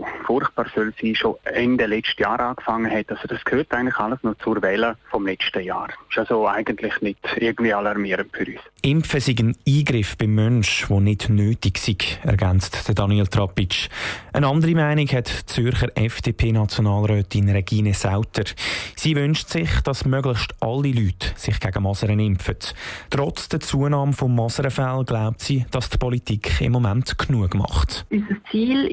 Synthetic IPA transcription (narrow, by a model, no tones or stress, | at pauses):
fʊrχt̚b̥ɑːɾsœlsiːʃoɛndɛlɛt͡ʃtəjaːɾʔaːkfɑŋːəhɛtːɑlsod̥ɑskʰhøːɾtaɪɡən̩tlɪxɑləsnɔt͡sʊɾvɛːləfɔmlɛt͡ʃtəja̰ːɾɪʃalsoaɪɡəntlɪχnɪdɪɡən̩dviːɑlɑɾmiəɾəntfyɾyːsɪmfəsiɡəniːɡɾɪfb̥ɪmːœnʃvonɪdnøːtɪɡsiɡ̥ɛ̰ɾɡant͡std̥əd̥ɑnielt̪rɑpɪt͡ʃʔənɑndəɾimaɪnikhɛtt͡sʏɾχəɾʔɛfd̥eːpʰeːnɑt͡sjonɑːlɾœːtɪnɾɛɡiːnɛsaʊtʰəɾsiːvʏnʃtsɪχd̥ɑsmœɡləχʃtʔɑlːilyːtsɪχɡ̥æɡ̥əmɑsəɾənɪmfəttɾɔt͡sd̥ət͡suənɑːmfomːɑsəɾəfalɡ̥laʊp̚tsiːd̥ɑstpɔlitikχɪ̰mːomæntkʰnuəɡ̥mɑ̰χtysəst͡siːl